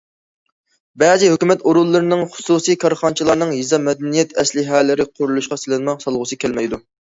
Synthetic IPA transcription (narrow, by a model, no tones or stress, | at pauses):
bɛzɪɦøkʲymɛt̪oɾulˠːɨɾɨnɨŋχʊ̥susijkʰɑɾχɑnt͡ʃʰilˠɑɾnɨŋjizɑmɛd̪ɛnijɛt̪ɛslɪɦɛːlɪɾɪqʰʊɾulˠuʃqɑsɪlɪnmɑqsɑlˠʁʊsɨkʲʰɛlmɛjd̪u